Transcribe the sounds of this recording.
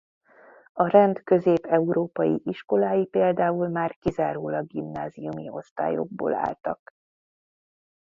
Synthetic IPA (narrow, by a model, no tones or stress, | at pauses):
ɒɾɛnd̪kø̞zeːpɛuɾoːpɒjḭʔiʃko̞laːjipeːld̪aːulmaːrkizaːɾoːlɒɡimnaːzijumio̞st̪a̰ːjo̰ɡ̚bo̰ːla̰ːlt̪ɒk